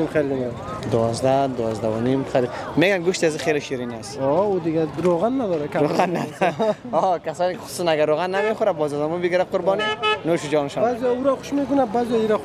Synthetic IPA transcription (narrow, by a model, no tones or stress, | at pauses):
imχelina | d̪ʊwɔzd̪ad̪ʊwɔzd̪aʊnimχeli | meɡanɡʊʃt̪iaziχeliʃiɾiniasɔʊd̪ɪɡʲaɾoʁanːad̪ɔɾakʰʲaɾoʁanːaa | ɔkʰasɒnʊ̥sʊ̥sanaɡaɾːoɣanːameχʊɾabɔzad̪amʊbɪɡiɾaqʊɾbɔninoʃʊd͡ʒɒnɪʃɔbazijɔʊɾaχʊ̥ʃmekʊnabazijɔiɾa